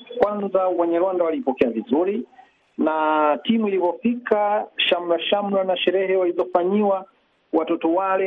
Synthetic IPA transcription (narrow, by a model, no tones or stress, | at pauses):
kwanzawɛɲɛɾwandawalipɔkɛavizuɾi | natimuilivɔfikaʃam̩ɾaʃam̩ɾanaʃɛɾɛhɛwalizɔfaɲiwa | watɔtɔwalɛ